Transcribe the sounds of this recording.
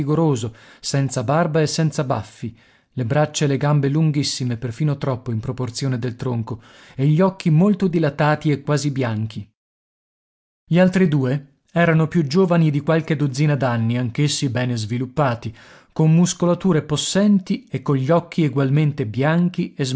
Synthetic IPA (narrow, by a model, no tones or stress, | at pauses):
iɡoɾoːzosɛnt̪sabarbaesːɛnt̪saba̰fːi | lebɾat͡ʃːaeleɡambeluŋɡisːimeperfiːnot̪ɾɔpːoimpɾoport̪sjoːned̪elt̪ɾoŋko | eʎːiɔkːimolt̪od̪ilat̪aːt̪iekːwaːzibjaŋk̟ʰi | ʎialt̪ɾid̪uːe | ɛːɾanopjud͡ʒoːvanid̪ikwalk̟ed̪od̪ziːnad̪anːiaŋk̟esːibɛːnezvilupːaːt̪i | komːuskolat̪uːɾeposːɛnt̪iekːoʎiɔkːieɡwalment̪ebjaŋk̟iez